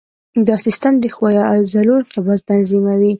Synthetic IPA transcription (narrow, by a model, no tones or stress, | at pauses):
d̪ɑsist̪əmd̪əxwɑjɑazaɾuɾkebɑd̪̚t̪anzimawi